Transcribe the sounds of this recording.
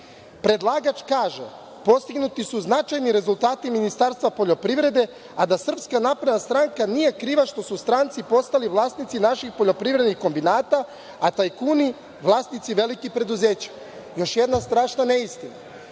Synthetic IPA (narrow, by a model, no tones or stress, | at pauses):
pɾe̞d̪lˠaːɡat͡ʃkaːʒḛ | po̞st̪iɡnut̪isuznat͡ʃajniɾe̞zulˠt̪aːt̪iminist̪aːɾst̪ʋapo̞ʎo̞pɾiʋɾe̞d̪e̞ | ad̪asr̩pskanapɾed̪nast̪ɾaŋkanije̞kɾiːʋaʃt̪o̞sust̪ɾant̪sipo̞st̪aliʋlˠaːsnit̪sinaʃixpo̞ʎo̞pɾivɾe̞d̪nixko̞mbinaːt̪a | at̪ajkuːni | ʋlˠaːsnit̪siʋe̞likixpɾe̞d̪uzeːt͡ɕḁ | jo̞ʃjed̪nast̪ɾaːʃnane̞ist̪ina̰